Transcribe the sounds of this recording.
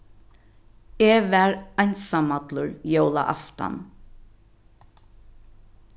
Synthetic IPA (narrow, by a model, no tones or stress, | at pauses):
eʋæɹajnsamat̪lʊɹjowla̰ʔa̰ft̪a̰n